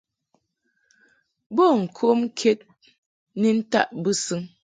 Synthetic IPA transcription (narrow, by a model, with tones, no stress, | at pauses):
bo˦˨ŋ̩˨kʰo˦m̩˦kʰe˦t̚ | ni˦n̩˦ta̰˦˨ʔbɨ˦sɨ˦ŋ